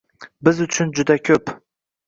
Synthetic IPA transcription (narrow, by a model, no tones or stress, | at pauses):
bɪzʊt͡ʃʰʊnd͡ʒʊd̪akʲʰɵp